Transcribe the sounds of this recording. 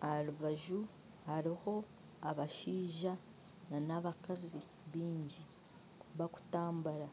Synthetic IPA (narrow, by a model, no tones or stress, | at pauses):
aɾuβaʒu | haɾiho̞ | aβaʃiːʒa | nanaβakazi | βiːɲɟi | βaku̥taːmbaɾa